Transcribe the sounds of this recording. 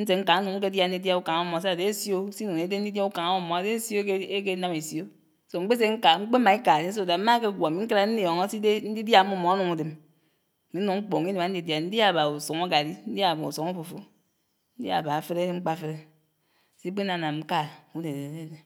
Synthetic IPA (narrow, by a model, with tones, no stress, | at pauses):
n̩˦s̬e˨ŋ̩˦a˨˦nu˨ŋ̩˦k̬e˦dja˦n̩˦di˦dja˦u˦ka˨ŋa˦mːo˨sa˦˨de˨˦sjo˦si˦nu˨ne˨˦de˦n̩˦di˦dja˦u˦ka˨ŋ˨˦mo˦˨mːɔ˨a˨de˨˦sjo˦e˦ke˦na˦me˨sjo˦ | so˦ŋ͡m̩˦k͡pe˦s̬e˦ŋ̩˦ka˨ŋ͡m̩˦k͡pe˦ma˨i˦ka˨ɾe˦o˦˨da˨˦ma˦ke˦˨ɡʷa˨mi˦ŋ̩˦ka˦ɾa˨˦n̩˦di˨jo˨ŋo˦si˦de˦n̩˦di˦dja˦˨˦mːo˦˨mːɔ˨˦a˦nu˨ŋu˨de˨m˨ | i˨n̩˦nu˨ŋŋ͡m̩˦k͡po˨ŋ˦i˦de˨ma˨n̩˦di˨dja˨n̩˦di˦a˦˨ba˨u˨so˨ŋ˦a˦ɡa˨di˦n̩˦dja˦˨ba˨u˨so˨ŋo˦fo˨fu˦ | n̩˦dja̰˦˨ba˨fe˦ɾe˦ŋ͡m̩˦k͡pa˦˨˦fe˦ɾe˦ | si˦k͡pe˦na˨na˨˦ka˦˨u˦de˨e˨˦e˦e˦